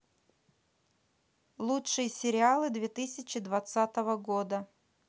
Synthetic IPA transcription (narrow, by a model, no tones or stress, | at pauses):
lˠuʂɨjəsʲɪɾʲɪalˠɨd̪vʲet̪ɨsʲɪt͡ɕɪd̪vɐt̪sat̪əvəɡod̪ə